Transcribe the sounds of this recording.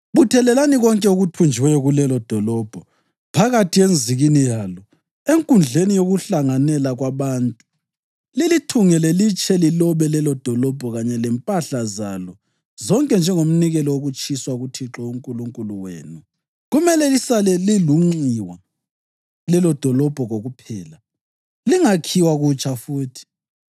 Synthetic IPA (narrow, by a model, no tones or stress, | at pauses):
βutʰɛlɛlaniɣɔŋkʼɛuɣutʰund͡ʒʱiwɛjɔɣulɛlɔd̥ʱɔlɔb̥ʱɔ | pʰaɣatʰijend͡zʱiɣinijalɔ | eŋkʼund͡ɮʱenijoɣuɬaŋanɛlaɣwaβaːntʼu̥ | lilitʰuŋɛlɛlit͡ʃʼʰɛlilɔβɛlɛlɔd̥ʱɔlɔb̥ʱɔɣaɲɛlɛmpʼaɬazalɔ | zɔŋkʼɛnd͡ʒʱɛŋom̩niɣɛlɔwoɣut͡ʃʼiswaɣutʰiǁɔuŋkʼuluŋkʼuluwḛːnu | ɣumɛlɛlisalɛliluŋ͡ǀiwa̰ | lɛlɔd̥ʱɔlɔb̥ʱɔɣoɣupʰɛːla | liŋakʰiwaɣut͡ʃʼafuːtʰi̥